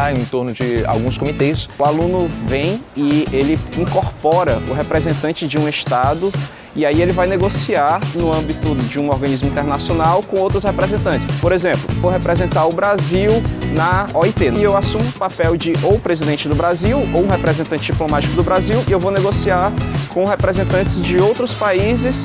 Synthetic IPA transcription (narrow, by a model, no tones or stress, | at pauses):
aẽt̪oɾnʊd͡ʒɪa̰wɡũskomit̪eʊsʊalũnʊvẽj̃ɪelɪĩkoɾpɔɾɐʊɦepɾezẽnt̪ɐ̃t͡ʃɪd͡ʒɪũeʃt̪ad̪ʊ | ɪaielɪvajneɡosiaɾnʊɐ̃bit̪ʊd͡ʒɪũɔɾɡɐ̃nizmʊĩnt̪eɾnasionawkõowt̪ɾʊshepɾɛzẽnt̪ɐ̃t͡ʃsɪ̥spoɾezẽplʊ̰voɦetpɾezẽnt̪aɾʊbɾaziwnɐɔit̪enewasũmʊpapɛwd͡ʒɪʔowpɾezid̪ẽnt͡ʃɪd̪ʊbɾaziwowũɦepɾɛzẽnt̪ɐ̃nt͡ʃɪd͡ʒiplõmat͡ʃi̥kʊd̪ʊbɾaziwiewvowneɡosiaɾkõhepɾɛzẽnt̪ɐ̃nt͡ʃɪzd͡ʒɪowt̪ɾʊspaizɪs